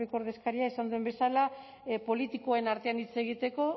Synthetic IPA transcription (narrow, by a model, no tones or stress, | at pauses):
ekooɾðe̞skaɾiaesand̪ue̞mbe̞sala | po̞lit̪ikoenaɾt̪e̞anit͡se̞ɣ̞it̪e̞ko̞